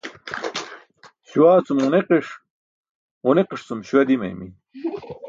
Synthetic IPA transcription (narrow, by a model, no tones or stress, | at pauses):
ɕuwaːt͡sumuneqiʂ | uneqiʂt͡sumɕuwɐd̪imɐ̰jmḭ